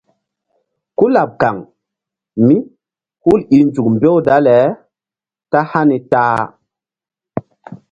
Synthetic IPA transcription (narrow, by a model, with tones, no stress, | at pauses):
ku˦la˨p̚ka˨ŋ | mi˦ | hu˦li˨nd͡ʒu˨kmbe˦wda˦lɛ˨˦ | ta˦ha˦ni˨taː˦˨